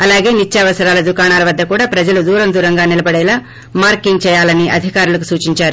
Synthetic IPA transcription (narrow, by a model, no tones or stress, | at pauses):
ɐlaːɡe̞ːnit͡ʃːjɐːʋɐsɐɾaːlɐd̪ukaːnaːlɐʋɐd̪ːɐkuːɽaːpɾɐd͡ʒɐlud̪uːɾɐnd̪uːɾɐŋɡaːnilɐbɐɽɛːlaː | maːɾkiŋɡ̚t͡ʃɛːjaːlɐniʔɐd̪ʱikaːɾulɐkusuːt͡ʃiɲt͡ʃaːɾu